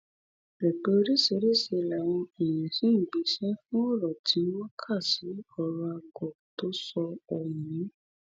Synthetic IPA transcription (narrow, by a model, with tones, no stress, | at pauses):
ɾɛ˨k͡pe˨˧o˧ɾi˦se˧˦ɾe˦˨se˧˨la˨w̃ɔ̃˧e˨jĩ˨sĩ˦˨ɡ͡bi˨˧˦ʃɛ˦fũ˦ɔ˦˨ɾɔ˨tʰi˨˦wɔ̃˦kʰa˦˨si˨˦ɔ˦˨ɾɔ˧a˧ɡɔ˨to˨˦sɔ˧ɔ˨jĩ˨˦